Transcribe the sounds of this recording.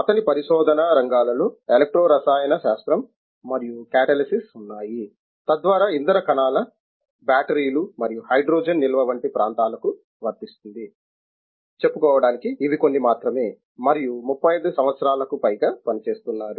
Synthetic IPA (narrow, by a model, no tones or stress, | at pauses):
ɐt̪ɐnipɐɾiʃɔːd̪ʱɐnɐɾɐŋɡaːlɐloːelek̚ʈɾoːɾɐsaːjɐnɐʃaːst̪ɾɐmː | ɐɾijukɛːʈɐlisisunːaːji | t̪ɐd̪ʋaːɾaːind̪ɐɾɐkɐnaːlɐ | baːʈɐɾiːlumɐɾijuhɐjɖɾoːd͡ʒɐnːilɐʋɐʋɐɳʈipɾʔaːnt̪aːlɐku | ʋɐɾt̪ist̪und̪i | t͡ʃe̞pːukɔːʋɐɽaːnikiːʋiko̞nːimaːt̪ɾɐme̞ː | mɐɾijumupʰːɐjɐjd̪usɐmʋɐt̪sɐɾaːlɐkupɐjɡaːpɐnit͡ʃe̞ːst̪unːaːɾu